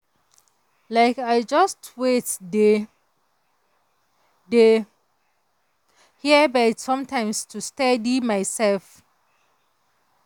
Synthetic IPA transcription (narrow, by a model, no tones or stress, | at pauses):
laɪkaɪd͡ʒʌstʰwetde | de | hiəbatsɔ̃mtãɪ̃mstʰustadimaɪsɛlf